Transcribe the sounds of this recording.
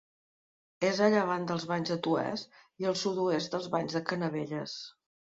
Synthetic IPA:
ezəʎəβand̪əlˠzβaɲzðət̪uɛ̰st̪iəlˠsut̪uest̪̚d̪əlˠzβaɲzðəkənəβeʎəs

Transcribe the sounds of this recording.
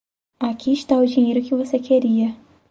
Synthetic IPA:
akiɪʃt̪aʊd͡ʒĩɲejɾʊkɪvosekʰeɾiɐ

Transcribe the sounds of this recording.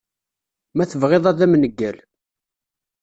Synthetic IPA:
mæθəvʁeðˤæðæmnəɡːæl

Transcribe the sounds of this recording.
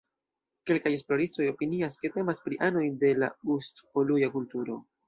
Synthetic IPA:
ke̞lkaje̞splo̞ɾisto̞jo̞piniaske̞te̞maspɾiʔano̞jde̞la̰ustpolujakultuɾo̞

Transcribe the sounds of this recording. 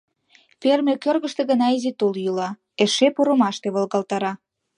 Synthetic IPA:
fermʲekørɣə̆ʃt̪e̽ɣənɑizit̪oljulɑ | eʃepoɾomɑʃt̪eβəlɣɑlt̪ɑɾɑ

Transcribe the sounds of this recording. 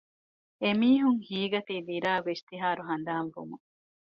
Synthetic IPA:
emiːɦuŋhiːɡɐt̪iːd̪iɾaːʋest̪iɦaːɾuɦɐnd̪aːnʋṵmu

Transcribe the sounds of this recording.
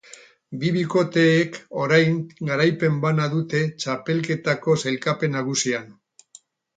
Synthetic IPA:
biβiko̞t̪e̞ːko̞ɾajŋɡaɾajpe̞mbanaðut̪e̞t͡ʃape̞lke̞t̪ako̞selkape̞naɣ̞usian

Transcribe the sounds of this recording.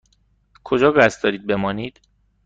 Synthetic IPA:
kʰo̞d͡ʒɒːɡæst̪d̪ɒːɾiːd̪̚be̞mɒːniːd̪̥

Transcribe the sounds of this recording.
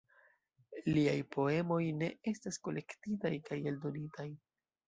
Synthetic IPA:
liajpʰo̞e̞mo̞jne̞e̞stasko̞le̞ktitajkajeldo̞nitaj

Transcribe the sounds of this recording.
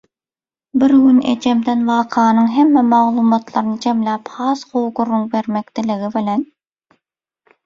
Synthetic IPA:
biɾɡynḛt͡ʃemd̪envɑːqʰɑːnɯŋɦemːemɑʁlˠuːmɑt̪lˠɑɾɯnɯd͡ʒemlʲæːphɑːsqowɡurːuŋbeɾmekd̪ileɣibilen

